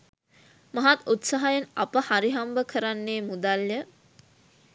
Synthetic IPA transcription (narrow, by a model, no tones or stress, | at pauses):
maɦat̪ut̪saɦajenapəhaɾiɦambəkʰəɾanːeːmud̪aljə